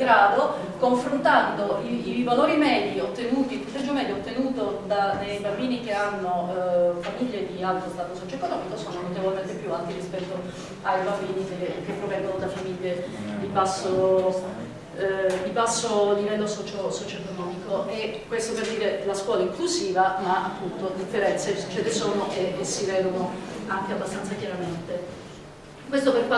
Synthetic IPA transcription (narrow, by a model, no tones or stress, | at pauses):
ɡɾaːd̪o | koɱfɾont̪and̪oiːvaloːɾimɛd̪iot̪ːenuːt̪iput̪ɛd͡ʒːomɛd̪joot̪ːenuːt̪od̪anejbambiːnikeanːofamiʎːed̪ialt̪ɾost̪aːt̪osɔt͡ʃoekːonɔːmikosoːnonot̪evolement̪epjuant̪irispɛt̪ːo | ajbambiːnikekepːɾovɛŋɡonod̪afamiʎːed̪ibasːo | d̪ibasːoalivɛlːosɔt͡ʃosɔt͡ʃoekonɔːmikoʔɛkːwest̪operd̪iːɾelaskwɔːlaiŋklusiːvamaapːunt̪od̪ifːeɾɛnt̪set͡ʃelesoːnoʔesivɛːd̪onoaŋk̟eabːast̪ant̪sakjaɾament̪e | kwest̪operpa